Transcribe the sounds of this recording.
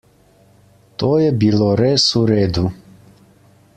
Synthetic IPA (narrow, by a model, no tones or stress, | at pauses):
t̪ɔjɛbilˠɔɾɛsuɾɛd̪u